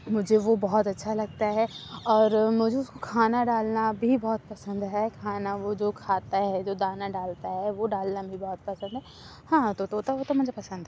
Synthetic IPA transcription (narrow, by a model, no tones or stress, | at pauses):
mʊd͡ʒʱeʋobɔɦɔt̪ɐtːʃʰalɐɡ̚t̪aɦɛɔːɾmʊd͡ʒʱeʊskokʰaːnaɖaːlnabʱibɔːt̪̚pɐsə̃nd̪ɦɛkʰaːnaʋod͡ʒoːkʰaːt̪aɦɛd͡ʒoːd̪aːnaɖaːlt̪aɦɛʋoɖaːlnabʱibɔːt̪̚pɐsə̃nd̪ɦɛ | hãːt̪ot̪ot̪aʋot̪omʊd͡ʒʱepɐsə̃nd̪ɦɛ